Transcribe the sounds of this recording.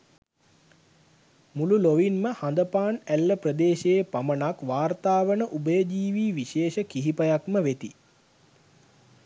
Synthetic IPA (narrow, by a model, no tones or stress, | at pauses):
mululoʋinməhand̪əpaːnælːəprəd̪eːʃejepamənakʋaːrt̪aːʋənəʔubəjəd͡ʒiːʋiːʋiʃeːʃəkiɦipəjakməʋet̪i